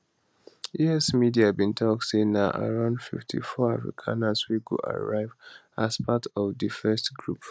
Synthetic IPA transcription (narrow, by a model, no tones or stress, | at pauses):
iɛsmidiabĩntʰɔk̚tsenaʔa̰ɹãʊ̃ndfḭftʰḭfɔafɹḭkʰãnaswiɡṵʔa̰ɹaɪv | aspʰatʰɔvdɨfɛstɡɹup